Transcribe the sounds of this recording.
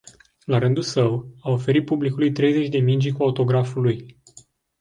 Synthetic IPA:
laɾɨnd̪ulsəwao̞fe̞ɾit̪̚publikulujt̪ɾe̞jze̞t͡ʃʲd̪e̞mind͡ʒikuaut̪o̞ɡɾafuluj

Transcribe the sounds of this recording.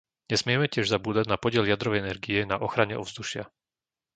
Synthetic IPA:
ɲɛsmɪɛmɛcɪɛʒzabuːd̪aɟnapɔɟɪɛljad̪ɾɔʋɛjɛnɛɾɡijɛnaʔɔxɾaɲɛɔvzd̪uʃɪa

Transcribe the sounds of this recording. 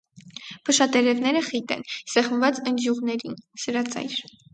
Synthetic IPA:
pʰəʃɑt̪ɛɾɛvn̪ɛɾəχit̪ɛ̰nsɛχməvɑt͡sənd͡ʒ̪juʁnɛɾinsəɾɑt͡sɑ̰jɾ

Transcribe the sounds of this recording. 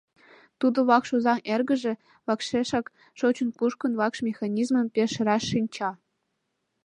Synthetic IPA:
t̪ud̪ŏβɑkʃuzɑŋerɡə̆ʒĕ | βɑkʃeʃɑk | ʃot͡ɕɤ̆npuʃkɤ̆nvɑkʃmʲexɑnʲizmɤ̆mpʲeʃɾɑʃːinʲt͡ɕɑ

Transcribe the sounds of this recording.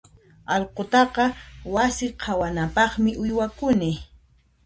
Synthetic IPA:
ɑlqot̪ɑqɑwasɪqʰawanapɑχmɪʔʊjwakʊnɪ

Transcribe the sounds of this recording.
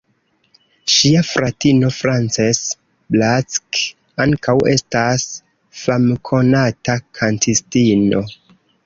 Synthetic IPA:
ʃiafɾatino̞fɾant͡ses | blat͡sk | aŋkawe̞̰stas | famkʰo̞natakʰantʰistino̞

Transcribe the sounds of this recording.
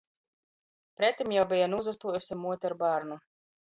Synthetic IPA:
pɾɛt̪ːimjawbijanuzast̪uɔjusʲimuɔt̪ʲɛɾbaːɾnu

